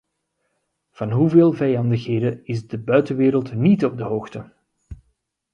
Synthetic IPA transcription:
v̥ɑnɦuveːlˠvɛjɑndəxɦeːdəɪzdəbœɥtəʋeːɾəlˠtnitɔb̚dəɦoːxtə

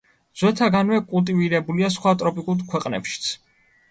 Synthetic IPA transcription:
z̥wɛt̪ʰaɡanvɛkʼulˠt̪ʼiviɾɛbuliasχwat̪ʼɾɔpʼikʼulˠkʰwɛqʼnɛ̰pʃi̥t̪sʰ

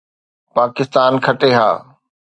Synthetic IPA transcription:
paːkɪst̪aːnkʰɐʈeɦa̰ː

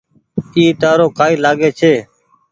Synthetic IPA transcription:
iːt̪aːɾoːkaːiːlaːɠeːt͡ʃʰeː

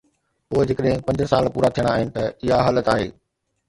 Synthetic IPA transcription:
poːd͡ʑɪkəɗɦɪ̃pɐ̃ɲd͡ʑsaːlpuːɾat̪ʰijəɽ̃aaːɦɪnɪ̆t̪ɐɪɦaɦaːlət̪aːɦeː

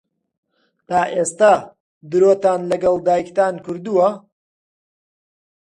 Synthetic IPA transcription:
t̪aːʔest̪a | d̪ɨɾot̪aːnlɐɡɐlˠd̪aːjkt̪aːnkɨɾd̪uwɐ

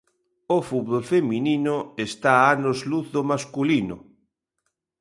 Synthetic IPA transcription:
ofut̪̚βolfemininoest̪aanozluθðomaskulino̰

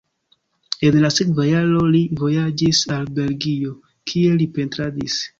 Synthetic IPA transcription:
e̞nlasekvajalo̞livo̞jad͡ʒisalbe̞lɡio̞ | kʰie̞lipe̞ntɾadis

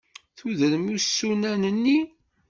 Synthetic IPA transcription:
θuðəɾmusːunænənːi

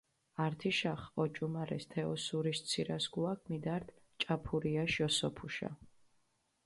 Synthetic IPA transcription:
aɾt̪ʰiʃaχɔt͡ʃʼumaɾɛst̪ʰɛɔsuɾist̪sʰiɾasɡuakʰmid̪aɾt̪ʰ | t͡ʃʼapʰuɾiaʃɔsɔpʰuʃa̰

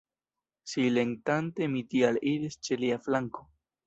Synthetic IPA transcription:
sileŋtante̞mitialiɾist͡ʃeliaflaŋko̞̥

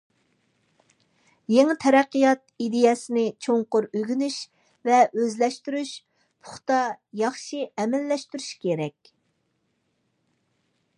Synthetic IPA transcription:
jeŋɪt̪ʰɛɾæqːɨjɑt̪̚id̪ejɛsɪnɪt͡ʃʰoŋqʊɾøɡʲynyʃ | vɛøzlɛʃt̪yɾyʃ | pʰʊχt̪ɑjɑχʃiɛmɛlːɛʃt̪yɾyʃkʲeɾɛkʲ

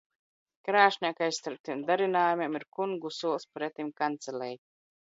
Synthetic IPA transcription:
kɾaːʃnʲiɛkajst̪aɾp̚t̪imd̪aɾinaːjumʲiɛmiɾkuŋɡusuɔlˠspɾɛt̪imkant̪sɛlʲɛj

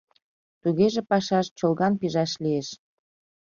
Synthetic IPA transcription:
t̪uɣeʒepɑʃɑʃt͡ɕolˠɣɑnpiʒɑʃlieʃ

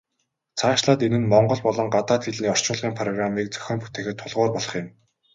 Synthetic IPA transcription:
t͡sʰaːʃɮaːt̪enɘ̆nmɔɴɢɞ̆ɮpɔɮɞ̆ŋɢat̪aːt̪xeɮniːɔr̥t͡ɕʊːɮʁiːŋpʰrɔɣramiːk̚t͡sœ̥xʲɔːmpu̥t̪eːxɘ̆t̪ʰːʊɮʁʊːrpɔɮɞ̆χjɪ̆m

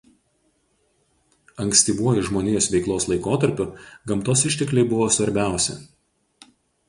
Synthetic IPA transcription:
ɐŋʲksʲt̪ʲɪbuɔjɪʒmoːnʲejɛsʋʲɛɪklˠoːslˠɐɪkoːt̪ɐɾʲpʲʊɡɐmt̪oːsɪʃʲt̪ʲɛklʲɛɪbʊʋoːsʋɐɾʲbʲæˑʊsʲɛ̰

